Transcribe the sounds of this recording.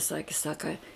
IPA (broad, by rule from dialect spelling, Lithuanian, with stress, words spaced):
ˈsɑːkʲɪ ˈsɑːkɐ